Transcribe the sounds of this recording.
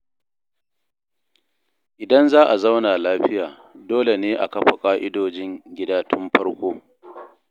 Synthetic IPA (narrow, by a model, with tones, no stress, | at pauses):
ʔɪ˨dɐ˦nzaː˦ʔa˨za˦wnaː˨laː˦ɸɪ˦jaː˨ | doː˦le˨neː˦ʔa˨kɐ˦ɸa˨kʼaː˦ʔɪ˦doː˨d͡ʒɪ˦ŋɡʲɪ˦daː˦tʰʊ˦mɸɐ˦ɽkʷoː˦